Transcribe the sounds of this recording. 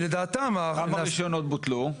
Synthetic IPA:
led̪aːt̪amaamaʁiʃjonot̪̚but̪lu

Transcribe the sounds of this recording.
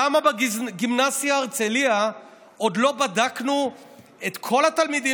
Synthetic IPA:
amabeɡimnazijaːʁt͡selia | o̞d̪lo̞badaknu | et̪kʰo̞lat̪almid̪i

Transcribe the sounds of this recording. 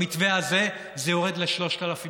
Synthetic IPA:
itveaze̞ | zejoʁed̪leʃlo̞ʃt̪alafi

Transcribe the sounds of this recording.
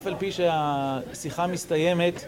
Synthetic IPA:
falpiʃeasiχamist̪aje̞me̞t̪

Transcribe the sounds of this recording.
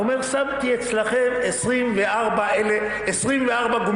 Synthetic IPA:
ome̞ʁsamt̪iet͡slaχemesʁimveʔaʁbaʔele | esʁimveaʁbaɡom

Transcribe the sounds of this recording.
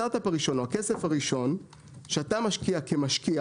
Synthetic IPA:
aʁt̪apaʁiʃo̞noakesefaʁiʃo̞n | ʃeatamaʃkiakemaʃkia

